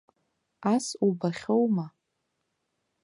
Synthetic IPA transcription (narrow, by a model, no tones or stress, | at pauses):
asubaχʲowma